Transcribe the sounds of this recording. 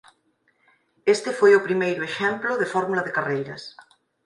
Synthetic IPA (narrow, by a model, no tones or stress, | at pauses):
est̪ɪfojʊpɾimejɾʊeʃɛmplʊðɪfɔɾmulɐðɪkarejɾɐs